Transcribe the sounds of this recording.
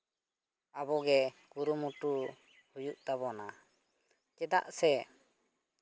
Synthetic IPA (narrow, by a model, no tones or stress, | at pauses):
abɔɡɛkuɾumuʈu | hujuʔt̪aβɔna | kɛd̪a̰ʔsɛ